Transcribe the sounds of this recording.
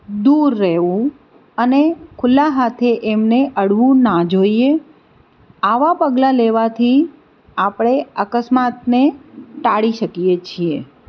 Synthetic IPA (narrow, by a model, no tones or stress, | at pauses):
d̪uɾːeɦʋũ | ənekʰʊlːaɦat̪ʰeʔemneʔəɽʋũnad͡ʒoie | aʋapəɡlaleʋat̪ʰi | apɽ̃eəkəsmat̪neʈaɽiʃəkijet͡ʃʰie